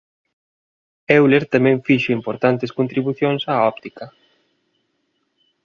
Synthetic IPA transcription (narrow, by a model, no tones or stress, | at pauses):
ɛwleɾt̪amɛ̃ɱfiʃʊimpoɾt̪ant̪eskont̪ɾiβuθjoŋsaɔp̚t̪ikɐ